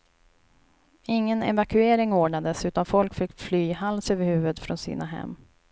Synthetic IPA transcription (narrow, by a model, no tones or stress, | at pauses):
ɪŋːənɛ̰vakɵeːɾɪŋoːɖɳad̪əsʉ̟ːt̪anfɔlkfɪkːflyːhalsøːvəɾhʉ̟ːvəd̪fɾɔnsḭːnaɦɛ̰mː